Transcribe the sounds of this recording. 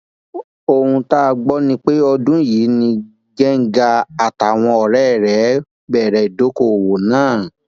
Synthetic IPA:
o˧hũ˧ta˦˧ɡ͡bɔ˦nĩ˧k͡pe˦ɔ˧dũ˦ji˨˦nĩ˧ | ɡɛ˦ŋ̩˦ɡa˧a˨ta˨w̃ɔ̃˧ɔ˨ɾɛ˦˨ɾɛ˨˦ | bɛ˦˨ɾɛ˨i˨do˨˦ko˧˨wo˨nãː˦˨

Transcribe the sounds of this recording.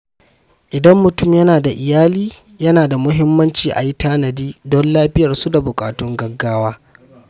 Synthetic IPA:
ʔɪ˨dɐ˦mːʊ˨tʊ˦˨mjɐ˦naː˨da˨ʔɪ˨jaː˦liː˦ | jɐ˦naː˨da˨mʊ˦ɦɪ˦mːɐ˦nt͡ʃiː˨ʔa̰˨ji˦taː˦nɐ˨diː˦dɔ˦nlaː˦ɸɪ˦jɐ˨rsu˦da˨bʊ˨kʼa̰ː˨tʊ˦ŋɡɐ˦ɡːaː˦waː˦

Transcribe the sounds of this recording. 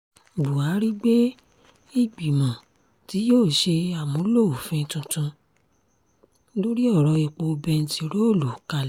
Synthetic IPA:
bu˨a˨˦ɾi˦ɡ͡be˦ | i˦˨ɡ͡bi˨mɔ̃˨ | ti˨˦joː˦˨ʃe˧a˨mũ˨˦lo˦o˨fĩ˧tũ˧tũ˧˦ | lo˦ɾi˦ɔ˦˨ɾɔ˧i˨k͡po˧bɛ˧n̩˧ti˨ɾo˦o˦˨lo˨ka˧l

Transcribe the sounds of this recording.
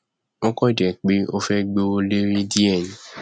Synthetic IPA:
o˦kɔ˦˨dɛ˨k͡pe˦o˦fɛ˦ɡ͡bo˧o˧le˦ɾĩ˦di˦ɛ˦˨j̃ĩ˨˦

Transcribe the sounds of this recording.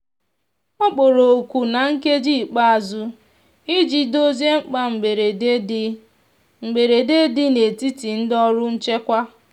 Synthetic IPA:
ɔ˦k͡po˨ɾo˨kʷu˨na˨ŋ̩˦ke˦d͡ʒi˦˨k͡pa˦a˨zʊ˦ | i˦d͡ʒi˨do˦ze˦ŋ͡m̩˦k͡pa˦ŋ͡m̩˨ɡ͡be˨ɾe˨e˦ | ŋ͡m̩˨ɡ͡be˨ɾe˨de˦dɪ˦ne˨ti˦ti˨n̩˦dɔ˦ɾʊ˦n̩˦t͡ʃe˦kʷa˦

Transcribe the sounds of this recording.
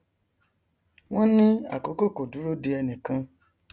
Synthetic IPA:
w̃ɔ̃˦nĩ˦a̰˦˨ko˨˦ko˦˨ko˨du˨˦ɾo˦de˧ɛ˧nĩ˨kã˧

